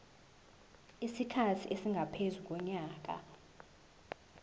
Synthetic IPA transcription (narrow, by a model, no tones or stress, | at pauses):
isikʰatʰiʔesiŋɡʱapʰezuk̬ʼɔɲaːk̬ʼa̰